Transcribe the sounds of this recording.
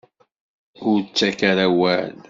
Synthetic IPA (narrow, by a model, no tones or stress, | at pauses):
ʊɾt͡sːækaɾæwæl